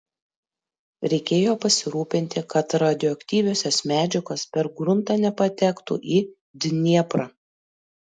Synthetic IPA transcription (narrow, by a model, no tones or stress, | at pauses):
ɾʲɛɪkʲeːjoːpɐsʲɪɾuːpʲɪnʲt̪ʲɪkɐt̪ɾɑd̪ʲɪɔɐkʲt̪ʲiːʋʲoːsʲɛsmʲæːd͡ʒʲɪkɐspʲɛɾɡɾʊnt̪ɐːnʲɛpɐt̪ʲɛkt̪ṵʔiː | d̪ʲnʲiɛpɾɑ